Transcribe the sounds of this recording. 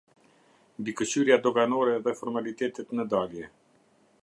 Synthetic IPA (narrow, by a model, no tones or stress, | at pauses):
mbikət͡ɕyɾjad̪ɔɡanɔɾɛðɛfɔɾmalit̪ɛt̪ɛt̪nəd̪aljɛ